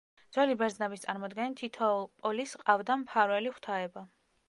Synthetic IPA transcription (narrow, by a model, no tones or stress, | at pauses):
d̪zwɛlibɛɾdznɛbist̪sʼaɾmɔd̪ɡɛnit̪ʰit̪ʰɔpʼɔlisqʼavd̪ampʰaɾwɛliχt̪ʰaɛba